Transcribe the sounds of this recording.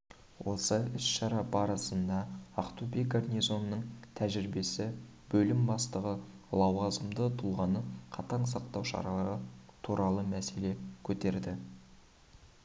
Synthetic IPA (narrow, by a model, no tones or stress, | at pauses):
wʔo̞səʏsʃɑɾɑbɑɾəsənd̪ɑːqt̪ubeɡarnijzo̞nːəɴt̪ʰæʒɪɾɪbe̞sɪ | bɵlɪmbɑst̪əʁə | lˠɑwʁɑzəmd̪ət̪ʰʊlˠʁɑnəqʰɑt̪ɑɴsɑq̚t̪ɑwʃɑ̰ɾɑlˠɑɾət̪ʰuɾɑlˠəmæse̞le̞kʲʰɵt̪e̞ɾd̪ɪ